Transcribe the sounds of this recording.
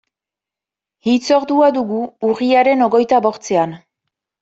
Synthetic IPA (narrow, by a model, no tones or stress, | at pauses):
ɣit͡so̞ɾd̪uaðuɣuːriaɾe̞no̞ɣo̞jt̪aβo̞ɾt͡se̞an